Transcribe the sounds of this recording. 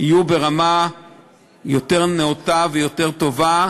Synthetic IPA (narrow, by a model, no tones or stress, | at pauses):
hijube̞ʁama | joteʁneot̪avejo̞te̞ʁt̪o̞va